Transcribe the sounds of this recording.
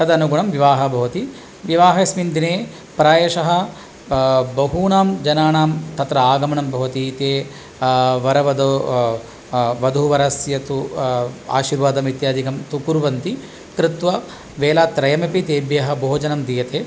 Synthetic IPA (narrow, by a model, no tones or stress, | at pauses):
kɐd̪ɐnuɡuɳɐmʋiʋaːɦɐbʱɐʋɐt̪i | ʋiʋaːɦɐsmind̪ineː | pɾaːjɐʃɐɦɐ̆ | bɐɦuːnaːmd͡ʒɐnaːnaːmt̪ɐt̪ɾɐaːɡɐmɐɳɐmbɐʋɐt̪it̪eː | ʋɐɾɐʋɐd̪o | ʋɐd̪ʱuʋɐɾɐsjɐt̪u | a̰ːʃiːɾʋaːd̪ɐmʋit̪jaːd̪ikɐmt̪ukuɾʋɐnt̪i | kɾɪt̪ʋɐ | ʋeːlaːt̪ɾɐjɐmɐpit̪eːbjɐɦɐ̆boɦːd͡ʒɐnɐmd̪ijɐt̪eː